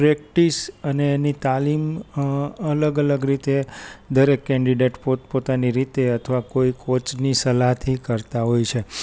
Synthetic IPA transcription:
pɾɛk̚ʈisəneːnit̪alim | ələɡələɡɾit̪ed̪əɾekːɛ̃ɳɖiɖeʈpopot̪aniɾit̪eət̪ʰəʋakoikʰot͡ʃnisəlaɦt̪ʰikəɾt̪aɦojt͡ʃʰe

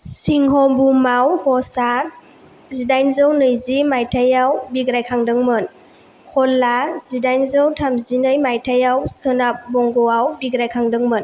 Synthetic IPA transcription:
siŋɦɔbumawhɔsa | zidajnzɯwnɯjzimajtʰajawbiɡɾajkʰaŋdɯŋmɯn | kʰɔlːaz̥idajnzɯwtʰamzinɯjmajtʰajawsɯnap̚bɔŋɡɔwawbiɡɾajkʰaŋdɯŋmɯn

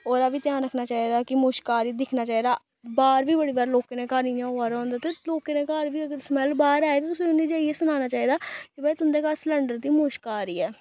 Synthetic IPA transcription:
oːɾabiːt̪jaːnɾəkʰnaːt͡ʃaːiːd̪aːkɪmoːʃkaːɾid̪ɪkʰnaːt͡ʃaːiːd̪aː | baːɾʋiːbəɽiːbaːɾloːkeːnẽːkaːɾniːnãːɦoaːɾõːnd̪aːt̪eːloːkeːnẽːkaːɾʋiːəɡəɾsmɛlbaːɾaːeːt̪oːt̪ʊsĩːʊnːiːd͡ʒaːieːsʊnaːnaːt͡ʃaːiːd̪aːkɪbɛiːt̪ʊnd̪eːkaːɾsləɳɖəɾd̪iːmoːʃkaːɾiːɛː

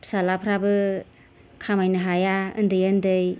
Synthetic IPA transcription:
psalapʰɾabɯ | kʰamajnɯɦajaɯ̰ndɯjɯndɯj

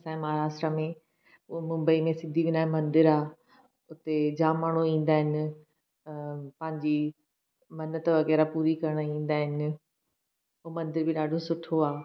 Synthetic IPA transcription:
sãːẽmɐɦaːɾaːsʈɾamẽ | mʊ̃mbəimẽsɪd̪ʱiʋɪnaːmɐ̃nd̪ɪɾaː | ʊt̪ed͡ʑaːmːaːɽ̃uĩːnd̪aːɦɪnɪ̆ | pɐ̃ɦɪ̃ɲd͡ʑi | mɐnət̪ʋɐɣɛːɾapuːɾikɐɾəɽ̃ĩːn̆d̪aːɦɪnɪ | oːmɐ̃nd̪ɪɾbʱɪɗaːɖʱosʊʈʰoaː

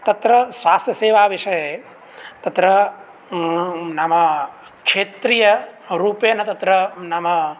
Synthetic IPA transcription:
t̪ɐt̪ɾəsʋaːst̪ʰjəseːʋaʋiʃəje | t̪ɐt̪ɾə | nama | kʃet̪ɾijəɾupenɐt̪ət̪ɾənaːma

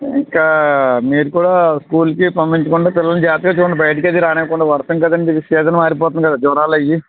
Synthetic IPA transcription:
iŋkaːmiːɾukuːɽaːskuːlkipɐmpiɲt͡ʃɐkuɳɖaːpilːɐlnud͡ʒaːt̪iɡaːt͡ʃuːɳɖibɐjɐʈ̬ɐkied̪iɾaːnɛːkuɳɖaːʋɐɾt̪ɐŋkɐd̪ɐɳʈeʋisɛːd͡ʒ̪ɐnɐmaːɾip̬ɔːt̪unɐkɐd̪aːd͡ʒuːɾaːlɐji

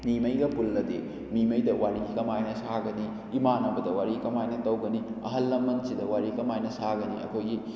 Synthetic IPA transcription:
mimɐjɡɐpulːɐdi | mimɐjdɐwaɾiɡikɐmajnɐsaɡɐniː | manɐwbɐdɐwaɾikɐmajnɐtɐwɡɐniɐɦɐlːɐmbɐnsidɐwaɾikɐmajnɐsaɡɐniɐ̰kʰojɡi

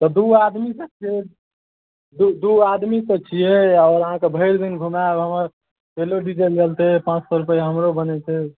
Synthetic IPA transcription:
t̪ɔd̪uad̪misət͡ʃʰiɛ | d̪ud̪uad̪misət͡ʃʰijɛɔːɾəɦãkebʱəɪɾd̪inɡʱumabɦəməɾ | peloɖiʈ̬elɡelt̪eɦɛpãt͡ʃsɔɾupəjɦəmɾobənɛt̪ɛ

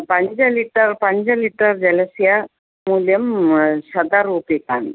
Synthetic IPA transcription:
pãɲt͡ɕaliʈəɾpãɲt͡ɕaliʈəɾd͡ʑələsja | muljəmɕəd̪aɾupekan

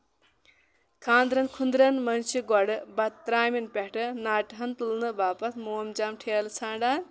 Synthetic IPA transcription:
kʰaːnd̪ɾɐnkʰund̪ɾɐnmɐnʃiɡɔɽɨbɐt̪t̪ːɾaːminpʲɛʈɨnaːʈɦɐnt̪ɨlnɨbaːpɐt̪moːmd͡ʒaːmʈʰeːlt͡sʰaːɳɖaːn

